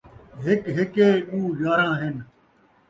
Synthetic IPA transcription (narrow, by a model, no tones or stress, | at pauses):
ɦɪkɦɪkeːɗuːd͡ʒaːɾãːɦɪn